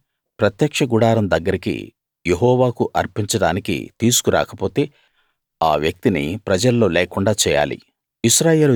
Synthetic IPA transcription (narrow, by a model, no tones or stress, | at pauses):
pɾɐt̪jɐkʂɐɡuɽaːɾɐmd̪ɐɡːɐɾikḭ | jeɦɔːʋaːkuʔɐɾpiɲt͡ʃɐɽaːnikḭt̪iːsu̥kuɾa̰ːkɐpo̞ːt̪e̞ː | aːʋjɐk̚t̪inḭpɾɐd͡ʒɐlːo̞ːleːkuɳɖaːt͡ʃɛːja̰ːlḭ | iʃɾaːje̞ːlu